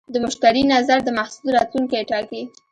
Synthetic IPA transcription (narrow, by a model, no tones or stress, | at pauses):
d̪əmʊʃt̪aɾinazaɾd̪əmahsud̪ɾɑt̪luŋkajeʈɑki